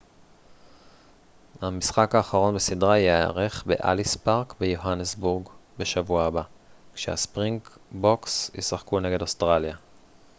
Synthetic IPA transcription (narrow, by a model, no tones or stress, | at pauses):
hamisχakaːχaʁo̞nbesidʁaiaa̰ʁe̞χbe̞̰ʔa̰lispaʁkbejoɦanesbuʁɡbe̞ʃavuaːbakʃeha̰spʁiŋɡboksḭsʁaχkune̞ɡe̞dostʁalja